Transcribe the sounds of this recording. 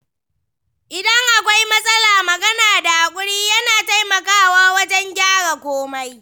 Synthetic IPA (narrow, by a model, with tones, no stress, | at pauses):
ʔɪ˨dɐ˦ŋʔa˨kʷa˦jmɐ˦sʼɐ˦laː˨mɐ˨ɡɐ˦naː˨da˨ʔa˨kʷʼʊ˦ɽiː˦jɐ˦naː˨ta˦jmɐ˨kaː˦˨waː˦wɐ˦d͡ʒɛ˦ŋɡʲaː˦ɽa˨kʷoː˦ma˦j